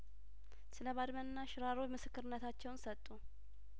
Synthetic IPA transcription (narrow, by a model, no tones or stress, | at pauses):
sɨləβad̪mənːaʃɾaɾomɨsɨkːɨɾɨnːət̪ʰat͡ʃːɛwnsət̪ʼːu